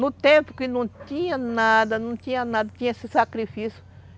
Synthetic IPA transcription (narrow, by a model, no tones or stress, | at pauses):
nut̪ẽmpʊ̥kɪnũt̪ĩɲɐ̃nad̪anũt̪ĩɲãnad̪at̪ĩɲesesakɾifisjʊ̥